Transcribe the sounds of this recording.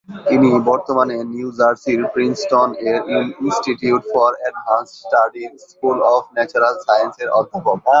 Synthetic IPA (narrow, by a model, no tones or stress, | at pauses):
t̪inibɔɾt̪omaneniud͡ʑaɾsiɾpɾinsʈoneɾininsʈiʈiuʈfɔɾɛɖbʱansʈsʈaɖinskulɔbnɛt͡ɕuɾalsajenseɾɔd̪ʱipɔbʱa